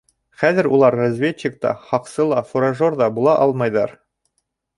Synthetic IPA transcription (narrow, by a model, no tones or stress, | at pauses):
χæðɘɾulˠɑɾːazvʲetɕɪk̚t̪ɑ̰χɑqsɤlˠɑfuɾaʒoɾd̪ɑbulˠɑʔɑlˠmɑjd̪ɑɾ